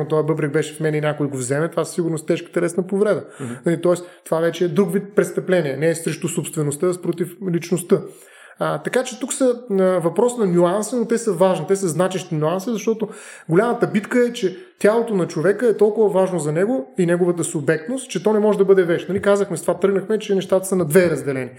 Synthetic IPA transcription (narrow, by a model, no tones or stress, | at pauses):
mot̪ɔjbɤbɾɛk̚bɛʃɛ̥fmɛnɛinʲjakʊɛɡovzɛmɛt̪ovassiɡʊɾnost̪ɛʃkə̥t̪ɐlɛsnəpovɾɛd̪ənɐlit̪ɔɛst̪ovavɛt͡ʃɛːd̪ɾukvit̪̚pɾɛt̪st̪ɐplɛniɛnɛːsɾɛʃt̪usopst̪vɛnost̪əspɾot̪iflit͡ʃnost̪ə | t̪ɐkat͡ʃɛt̪uksəvɐpɾɔsnɐnʲuansənot̪ɛsəvaʒnit̪ɛsəznat͡ʃɛʃt̪inʲuansizɐʃt̪ɔt̪oɡolʲamət̪əbit̪kəɛt͡ʃɛ | t̪ʲalˠot̪onɐt͡ʃovɛkəɛt̪ɔlˠkʊvɐvaʒnozɐnɛɡoinɛɡovət̪̬əsubɛk̚t̪nost̪̚t͡ʃɛt̪ɔnɛmɔʒɛd̪ɐbɤd̪ɛvɛt͡ʃnɐlikazəxmɛst̪ovat̪ɾɤɡnəxmɛt͡ʃɛnɛʃt̪at̪ə̥sənɐd̪vɛɾɐzd̪ɛlɛni